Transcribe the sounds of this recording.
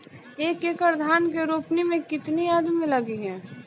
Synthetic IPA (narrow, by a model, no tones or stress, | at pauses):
eːkeːkəɾd̪ʱaːnkeɾoːpnimẽkɪt̪niaːd̪mẽlɐɡiɦɛ̃ː